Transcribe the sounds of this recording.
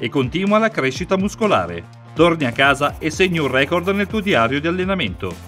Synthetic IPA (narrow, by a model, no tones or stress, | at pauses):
ekːont̪iːnwalakɾeʃːit̪amuskola̰ːɾḛ | t̪orniakːaːzaesːeɲːiurrɛːkord̪nelt̪uːod̪iaːɾjod̪ialːenament̪o